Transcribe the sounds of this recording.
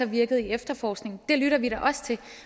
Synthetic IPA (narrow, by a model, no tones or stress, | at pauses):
ɐʋiɐɡ̥ð̞̩ˠiefd̥ɐfɒːsɡ̥ne̝ŋ̩d̥e̝lyɾɐʋiɾ̥æʔɒ̽st͡sʰe̝